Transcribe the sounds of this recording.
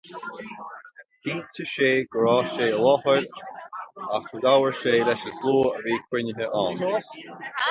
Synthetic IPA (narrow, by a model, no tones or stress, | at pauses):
hʰiːtʰəʃeːɡ̥ɹɔːʃeːəlɔhəɾ | axədawəɹʃeːdɛʃəsloːəviːkʰwɪnəɦəʔɔːn